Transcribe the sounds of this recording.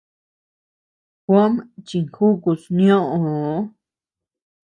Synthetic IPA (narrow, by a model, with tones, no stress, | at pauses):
xʷo˦mt͡ʃi˧ŋxu˦ku˧snĩõ˦ʔõ˨˦